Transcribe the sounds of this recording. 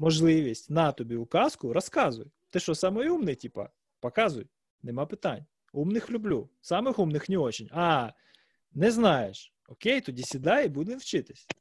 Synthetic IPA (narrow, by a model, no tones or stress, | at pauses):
mɔʒlˠɪʋʲisʲtʲnɑt̪ɔbʲiʊkɑskʊɾɔskɑzʊ̰j | t̪ɪʃt͡ʃɔsɑmɔjumnɪtʲipɐ̰ | pɐkɑzʊ̰j | nemɑpɪt̪ɑnʲ | umnɪxlʲʊblʲusɑmɪxumnɪxnʲiɔt͡ʃinʲɑ | nɛznɑjeʃ | ɔkejt̪ɔdʲisʲid̪ɑjbud̪ʲʋʲinwt͡ʃɪt̪ɪ̥sʲ